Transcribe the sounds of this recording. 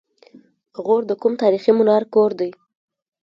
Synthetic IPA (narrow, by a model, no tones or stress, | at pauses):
ɣoɾd̪əkumt̪ɑɾiximʊnɑɾkoɾd̪aj